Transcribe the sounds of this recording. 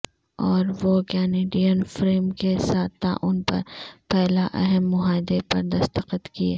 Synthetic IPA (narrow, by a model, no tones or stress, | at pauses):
ɔːɾʋokɛːneːɖijənfɾeːmkesaːt̪ʰːa̰ʔʊnpɐ̰ɾpɛɦlaʔɛɦɛmːʊɦaːɪd̪epɐɾd̪ɐst̪əqət̪kieː